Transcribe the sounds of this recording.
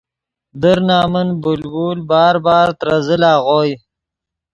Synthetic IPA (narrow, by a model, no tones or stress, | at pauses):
d̪əɾnɑːmənbʊlbuːlbɑːɾbɑːɾt̪ɾazəlɑːɣoːj